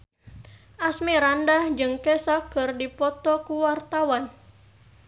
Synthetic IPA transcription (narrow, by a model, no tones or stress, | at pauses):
ʔasmiɾandahd͡ʒɨŋkɛsakɨrdipɔt̪ɔkuwart̪awan